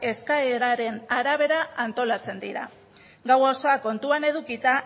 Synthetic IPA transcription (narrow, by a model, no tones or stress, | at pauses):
e̞skaeɾaɾe̞naɾaβ̞e̞ɾaant̪o̞lat͡se̞nd̪iɾa̰ | ɡawosoako̞nt̪uane̞ð̞ukit̪a